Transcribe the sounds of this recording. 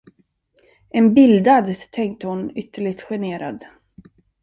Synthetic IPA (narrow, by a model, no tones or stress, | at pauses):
ɛnbɪld̪ad̪t̪ʰɛŋk̚t̪əhʊnʏt̪ːəɭɪɡt̪ɧɛneːɾa̰d̪